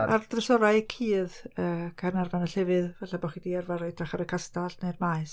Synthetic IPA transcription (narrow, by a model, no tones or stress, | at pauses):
a̰rd̥rəsɔɾaɨkʰiːðəːkʰarnarvanəɬɛvɨðvɛɬabɔχidiɛrvaɾɔjd̥raχaɾəkʰastaɬnermaɨs